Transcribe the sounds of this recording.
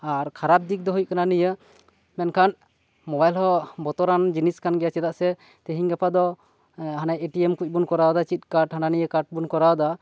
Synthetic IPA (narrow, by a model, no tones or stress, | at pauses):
aɾkʰaɾap̚d̪ik̚d̪ɔɦujkananijə | mɛnkʰan | mɔbajlhɔbɔt̪ɔɾand͡ʒiniskanɡɛjat͡ʃɛd̪aʔsɛ | t̪eɦiɲɡapʰad̪ɔ | ɦanajeʈiɛmkuc̚ˀbunkɔɾawd̪at͡ʃit̪̚kaɾʈhananijəkaɾʈ̚bunkɔɾawd̪a